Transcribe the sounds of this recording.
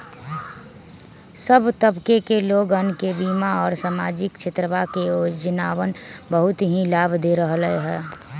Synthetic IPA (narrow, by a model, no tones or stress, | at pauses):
səbt̪əbkekeloːɡənkebiːmaɔːɾsamaːd͡ʒɪkt͡ʃʰɪt̪ɾəʋakeoːd͡ʒənaːʋənbəɦʊt̪ɦĩlaːbʱd̪eɾəɦləeɦɛː